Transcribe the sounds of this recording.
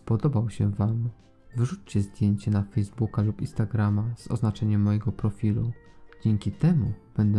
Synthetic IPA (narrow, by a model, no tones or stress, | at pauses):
pɔd̪ɔbawɕɛvam | vɘʐut͡ɕt͡ɕɛzd̪ʲjeɲt͡ɕɛnafɛjzbukalupḭ̃nst̪aɡɾamaz̥ɔ̰znat͡ʂɛɲɛmːɔjɛɡɔpɾɔfʲilu | d͡ʑɛŋkʲit̪ɛmub̥ɛnd̪ɛ